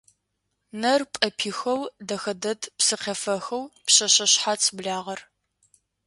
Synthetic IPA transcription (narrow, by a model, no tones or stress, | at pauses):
nɐrpʼɐpʰiːxɐwdɐxɐdɐtʰpsɨqʲefɐxɐwpɕɐɕɐɕħat͡sʰbɮaːʁɐr